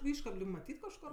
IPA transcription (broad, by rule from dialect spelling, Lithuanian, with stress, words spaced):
ˈɪʃkɐp lʲɪk mɐˈtʲiːt kɐʃˈkoːr